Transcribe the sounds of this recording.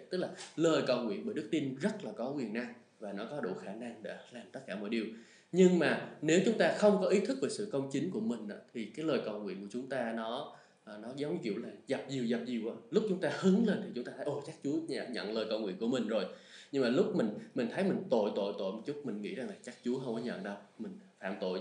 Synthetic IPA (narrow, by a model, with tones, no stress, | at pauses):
t̪ɨ˦˥k̚laː˨˩ləː˨˩jkə˧˩wŋwḭ˧˨ənɓəː˧˩jɗɨ˦˥k̚t̪i˧ənzə˦˥t̚laː˨˩kɔ˨˦wi˨˩ənːa˧ŋ | vaː˨˩nɔ˨˦kɔ˨˦ɗṵ˧˩xaː˧˩na˧ŋɗḛ˧˥laː˨˩mt̪ə˦˥t̚kaː˧˩mɔ̰˧˨jɗi˨˩əw | ɲɨ˧ŋmaː˨˩ne˨˦wt͡ɕʊ˨˦ŋ͡mt̪aː˧xə˧wŋ͡mkɔ˨˦ʔi˨˦t̪ʰɨ˦˥k̚veː˨˩sɨ̰˧˨kə˧wŋ͡mt͡ɕï˨˦ŋ̟ku˧˩əmï˨˩ŋ̟ʔa̰ː˨˦t̪ʰi˨˩kaː˨˦jləː˨˩jkə˧˩wŋḭ˧ənku˧˩ət͡ɕʊ˨˦ŋ͡mt̪aː˧nɔ˨˦ | ʔnɔ˨˦zə˨˦wŋ͡mɲɨ˨˦kḭ˧˨əwlaː˨˩za˨˩p̚zi˨˩əwza˨˩p̚zi˨˩əwʔaː˨˦lʊ˦˥k͡p̚t͡ɕʊ˨˦ŋ͡mt̪aː˧hɨ˨˦ŋle˧nt̪ʰi˨˩t͡ɕʊ˨˦ŋ͡mt̪aː˧t̪ʰjʔo˨˩t͡ɕaː˦˥k̚t͡ɕu˨˦əɲaː˧˨ɲə̰˧˨nləː˨˩jkə˧wŋw̰i˧˨nku˧˩əmï˨˩ŋ̟zo˨˩jɲɨ˧ŋmaː˨˩lʊ˦˥k͡p̚mï˨˩ŋ̟mï˨˩ŋ̟t̪ʰə˨˦jmï˨˩ŋ̟t̪o̰˧˨jt̪o̰˧˨jt̪o̰˧˨jmo˨˩t͡ɕʊ˦˥t̚mï˨˩ŋ̟ŋḭ˧˥za˨˩ŋlaː˨˩t͡ɕaː˦˥k̚t͡ɕu˨˦əxə˧wŋ͡mʔəː˨˦ɲə̰˧˨ŋɗə˧wmï˨˩ŋ̟faː˧˨mt̪o̰˧˨j